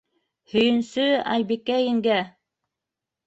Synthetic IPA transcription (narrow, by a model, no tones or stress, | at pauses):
hɵ̆jɘ̆nsɵɑ̰jbikːæjɘ̆ŋɡæ